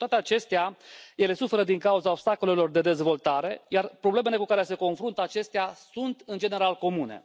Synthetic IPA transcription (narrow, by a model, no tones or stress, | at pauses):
t̪oat̪e̞at͡ʃe̞st̪eaje̞le̞sufe̞ɾəd̪iŋkauzaobst̪ako̞le̞lo̞rd̪e̞d̪e̞zvo̞lt̪aɾe̞jarpɾo̞ble̞me̞le̞kukaɾe̞se̞ko̞nfɾunt̪əat͡ʃe̞st̪easunt̪ɨnd͡ʒe̞ne̞ɾalko̞mune̞̰